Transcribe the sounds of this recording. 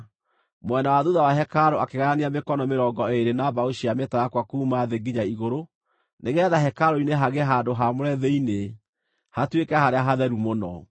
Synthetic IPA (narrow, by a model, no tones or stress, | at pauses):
mwɛnawaðuðawaɦɛkaɾoakeɣaɾaneamekɔnɔmeɾɔɡɔeɾenaβaoʃiamɛtajakwakuːmaðeɡiɲaiɣoɾo | neɣɛːðaɦɛkaɾoineɦaɣeɦaːndoɦamoɾɛðeine | hatwekɛhaɾeaɦaðɛɾumonɔ